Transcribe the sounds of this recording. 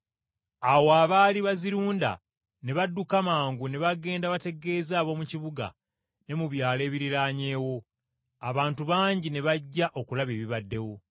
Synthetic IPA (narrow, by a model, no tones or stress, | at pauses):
awoaːβaliβaziɾuːnda̰ | ne̞βadːukamaːŋɡune̞βaɡe̞ːndaβate̞ɡe̞ːzaːβo̞muciβuɡa̰ | ne̞muβjaːle̞ːβiɾiɾaːɲe̞ːwo̞ | aβaːntuβaːɲɟine̞βaɟːaʔo̞kulaβe̞ːβiβadːe̞wo̞